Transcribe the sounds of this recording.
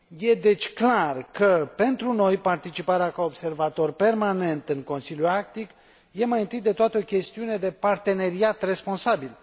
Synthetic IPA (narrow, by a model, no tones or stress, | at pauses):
je̞d̪e̞t͡ʃʲklarkəpe̞nt̪ɾuno̞jpart̪it͡ʃipaɾeakaobse̞rvat̪o̞rpe̞rmane̞nt̪ɨŋko̞nsilʲjuak̚t̪ik | je̞majint̪ɨjd̪e̞t̪oat̪əo̞kʲe̞st̪iune̞d̪e̞part̪e̞ne̞ɾiat̪re̞spo̞nsabil